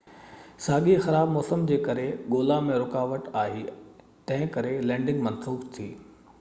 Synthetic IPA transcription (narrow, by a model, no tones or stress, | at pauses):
saːɠixɐɾaːbmɔːsəmd͡ʑeːkɐɾeɠoːlamẽɾʊkaːʋəʈaːɦi | t̪ɐ̃ɦɪ̃kɐɾelɛ̃ːɳɖɪ̃ŋɡmɐ̃nsuːkt̪ʰḭː